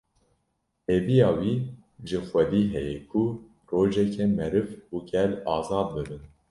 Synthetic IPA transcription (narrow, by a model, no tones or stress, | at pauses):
heːvijɑːwiː | ʒɨxʷɛd̪iːɦɛjɛkʰu | ɾoːʒɛkʰɛmɛɾɨvuːɡɛlɑːzɑːd̪̚bɨbɨn